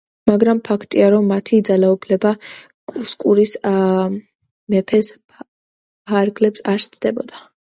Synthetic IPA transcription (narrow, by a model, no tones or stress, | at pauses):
maɡɾampʰakʰt̪ʼiaɾɔmːat̪ʰid̪zalaupʰlɛba | kʼuskʼuɾis | mɛpʰɛs | pʰaɾɡlɛpsaɾst̪sʰʼd̪ɛbɔ̰d̪a